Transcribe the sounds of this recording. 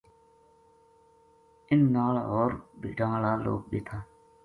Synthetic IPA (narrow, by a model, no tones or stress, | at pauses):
ɪnːaːlɦoːɾbḭɖãːlaːlo̰ːk̚ɗḛːt̪ʰaː